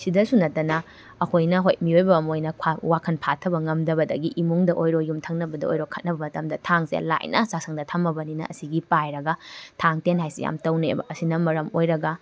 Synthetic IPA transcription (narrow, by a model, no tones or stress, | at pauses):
sidɐsunɐtːɐnɐ | ɐkʰojnɐɦojt̚miojbɐmojnɐkʰawakʰɐnpʰatʰɐbɐŋɐmdɐbɐdɐ̰ɡiʔimuŋdɐʔojɾojumtʰɐŋnɐbɐdɐ̰o̰jɾokʰːɐt̚nɐbɐmɐtɐmdɐtʰaŋsḛla̰jnʔɐ̰sak̚sɐŋdɐtʰɐmːɐbɐninɐ̰ɐ̰siɡipajɾɐɡɐtʰaŋtenɦajsija̰mtɐwnḛbɐ̰ɐsinɐmɐɾɐmojɾɐɡɐ